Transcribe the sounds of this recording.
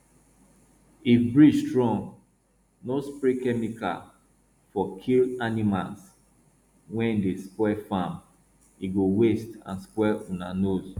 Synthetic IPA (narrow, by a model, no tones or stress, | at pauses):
ifbɹistɹɔ̃ŋɡ | nospɹekɛmikʰa̰l | fɔkʰilanima̰ls | wɛ̃ndespwɛfãm | iɡowestã̰nspwɛɔ̃nanos